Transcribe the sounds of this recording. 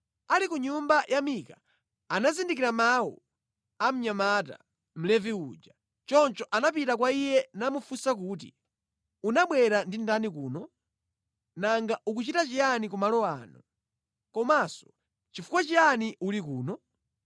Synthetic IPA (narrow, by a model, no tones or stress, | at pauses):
alikuɲumbajʔamika | anazindik̬iɾamawṵ | am̩ɲamata̰ | m̩lɛviud͡ʒa | t͡ʃɔnt͡ʃɔʔanapitak̬waijɛnamufusak̬uːt̬ḭ | unaɓwɛɾandindanikuːnɔ | naŋɡaʔuk̬ut͡ʃitat͡ʃijanikumalɔaːnu | kɔmasɔ̥ | t͡ʃifukwat͡ʃianiʔulik̬uːnɔ